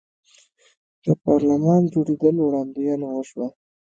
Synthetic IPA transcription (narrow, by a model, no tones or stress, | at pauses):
d̪̥əpɑɾlamɑnd͡ʒoɽed̪əlowɽɑnd̪ijɑnawəʃwa